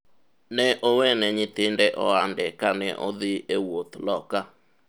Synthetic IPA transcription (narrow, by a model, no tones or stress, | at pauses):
nɛʔowɛnɛɲɪt̪ɪndɛʔɔandɛkanɛʔo̰ðɪewot̪lɔka